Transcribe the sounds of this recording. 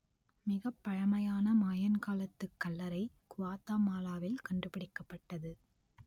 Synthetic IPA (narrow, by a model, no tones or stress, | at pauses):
mɪɣɐpːɐɻɐmɐjaːnɐmaːjɐnkaːlɐt̪ːɯkːɐlːɐɾɐɪ | kʊʋaːt̪aːmaːlaːʋɪlkɐɳɖɯpɪɽɪkːɐpːɐʈːɐðɯ